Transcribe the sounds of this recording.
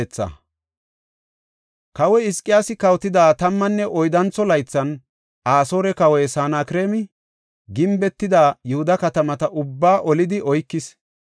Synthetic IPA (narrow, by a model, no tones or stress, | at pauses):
t͡sːɐ̰ | kɐwɛɪskʼːɪjaːsɪkɐwt̪ɪd̪aːt̪ɐmːɐnːɛʔɔjd̪ɐnt͡sːɔlɐjt͡sːɐn | ʔaːso̞ːɾɛkɐwɛjsaːnaːkɪɾeːmɪ | ɡɪmbɛt̪ːɪd̪aːjɛhʊd̪ɐkɐt̪ɐmɐt̪ɐʔʊbːaːʔɔlɪd̪ɪʔɔjkːɪs